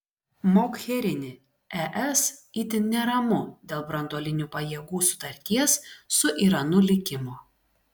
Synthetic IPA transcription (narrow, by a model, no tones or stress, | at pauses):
moːkxʲɛɾʲɪnʲɪ | ɛʔɛsiːt̪ʲɪnnʲɛɾɐmʊd̪ʲeːlˠbɾɐnd̪oːlʲɪnʲuːpɐjɛɡuːsʊ̥t̪ɐɾʲt̪ʲiɛsːʊʔiɾɐnʊlʲɪkʲɪmoː